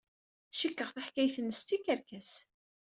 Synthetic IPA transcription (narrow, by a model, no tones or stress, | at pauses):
ʃikːəʁθaħkæjθənːəst̪ːikæɾkæs